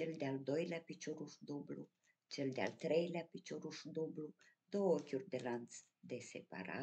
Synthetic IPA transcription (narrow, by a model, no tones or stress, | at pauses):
t͡ʃeld̪eald̪ojlʲapit͡ʃuɾuʃd̪ublu | t͡ʃeld̪ea̰lt̪ɾejlʲapit͡ʃuɾuʃd̪ublud̪̥ookʲurd̪elant̪s | d̪esḛpa̰ɾa̰